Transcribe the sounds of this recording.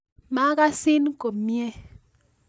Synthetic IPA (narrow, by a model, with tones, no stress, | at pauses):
ma˦ka˦si˦n˦ko˨pmje˦